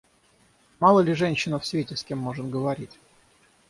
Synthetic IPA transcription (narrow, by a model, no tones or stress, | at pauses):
mɑlˠəlʲɪʐɛnʲɕːɪnəfsʲvʲetʲɪsʲkʲemːoʐɨnɡəvɐɾʲitʲ